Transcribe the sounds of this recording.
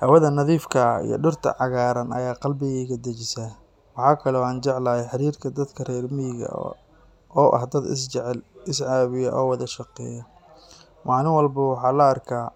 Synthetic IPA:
hɐwɐðɐnɐðiːfkʰɐḭjɔ̰ɖʊrt̪ʰɐ̰ʕɑɣaːɾɐnɐ̰jaːqɑlbɪɣɛːɣɐd̪ɐt͡ʃɪsa | wɑħɑːkʰɐlɔːaːnt͡ʃɛʕlɐːhɛħɑɾiːrkʰɐd̪ɐd̪kʰɐrɛːrmɪɣɐ̰ | ɔːʔɐ̰ɦd̪ɐd̪ɪ̰sʕlɪsʕɑːβɪjɐʔɔːwɑðɐʃɑqɛ̰ːjɐ | mɑːlɪnwɑlbɐwɑħɑːlɐːrkʰaː

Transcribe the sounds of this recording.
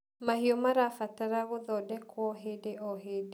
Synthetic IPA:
mahiɔmaɾafataɾaɣoðɔdɛkwɔɦedeɔɦed

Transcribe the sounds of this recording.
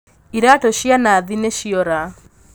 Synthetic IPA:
iɾatoʃianaːðineʃiɔɾa

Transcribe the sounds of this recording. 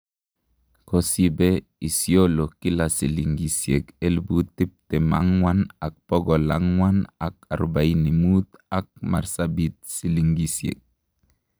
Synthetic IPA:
kosibe | isjolokilasiliŋɡisjekelbut̪ip̚t̪ema̰ŋwanak̚pɔɡɔla̰ŋwanaka̰ɾbajnimut̪ak̚ma̰ɾsabit̪̚siliŋɡisjḛk̚

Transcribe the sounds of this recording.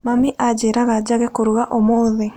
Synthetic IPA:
mamiʔad͡ʒeɾaɣad͡ʒaɣɛkoɾuɣaʔɔmoːðe

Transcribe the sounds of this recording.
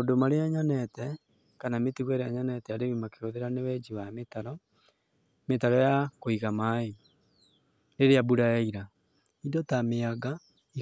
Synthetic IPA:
ondomaɾeaɲanɛtɛ | kanametiɣwɛɾeaɲanɛtɛaɾemimakeoðeɾanewɛd͡ʑiwametaɾɔ | metaɾɔjakoiɣamae | ɾeɾeabuɾaɛiɾa | idɔtameaɡa | i

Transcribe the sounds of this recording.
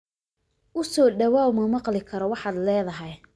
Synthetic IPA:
ʔʊsɔːɖɐwaːwmɐmɑqlɪkʰɐɾɔwɑħɑːd̪lɛːðɐɦɛj

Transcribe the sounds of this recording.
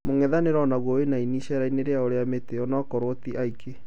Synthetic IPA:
moŋɛðaneɾɔnaɣwoenainiʃɛɾaineɾeaoɾeameteɔnakɔɾotiʔaikʰe

